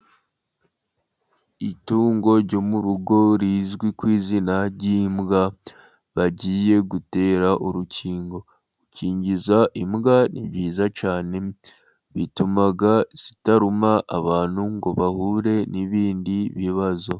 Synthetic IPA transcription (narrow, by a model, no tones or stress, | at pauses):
ituːŋɡo̞ɾɟo̞muɾuɡo̞ɾiːzɡwikwiːzinaɾɟimɡa | βaɟiːje̞ɡute̞ːɾaʔuɾuciːŋɡo̞ | uciːɲɟizaʔimɡaniβɟiːzat͡ʃaːne̞ | βitumaɡaz̥itaɾumaʔaβaːn̥huŋɡo̞βahuːɾe̞niβiːndiβiβazo̞